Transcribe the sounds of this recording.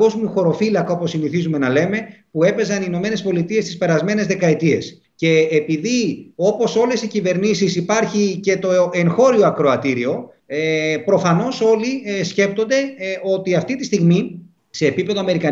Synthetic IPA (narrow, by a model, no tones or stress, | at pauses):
o̞zmjuxo̞ɾo̞filɐkɐo̞po̞siniθizume̞nɐle̞me̞pue̞pe̞zɐnino̞me̞ne̞spo̞lit̪ie̞st̪ispe̞ɾɐzme̞ne̞zðe̞kɐet̪ie̞s | ce̞ːpiðio̞po̞so̞le̞sicive̞ɾnisisipɐɾçice̞t̪o̞e̞ŋxo̞ɾioɐkɾo̞ɐt̪iɾio̞ | pɾo̞fɐno̞so̞lisce̞p̚t̪o̞nd̪e̞o̞t̪iɐft̪it̪ist̪iɣmi | se̞ːpipeðoɐme̞ɾikɐ